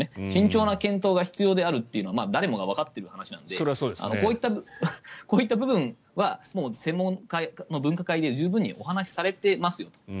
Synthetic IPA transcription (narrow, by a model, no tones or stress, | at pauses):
eɕĩɲ̟t͡ɕo̞ːnakẽ̞nt̪o̞ːɡaçi̥t͡sɨjoːd̪e̞aɾɯ̟t̪ːe̞iɯ̟no̞ama̰ːd̪aɾe̞mo̞ɡaβ̞akat̪ːe̞ɾɯ̟hanaɕinã̰nd̪eɾsoːd̪ea̰nokoːit̪ːabɯkoːit̪ːabɯ̟bɯ̟̃ɰ | βamo̞ːsẽ̞mːõ̞ŋkano̞bɯ̟̃ŋkakaid̪e̞d͡ʑɨːbɯ̟̃ɲ̟ːḭʔo̞̰hanaɕi̥saɾe̞t̪e̞masɨjo̞t̪o̥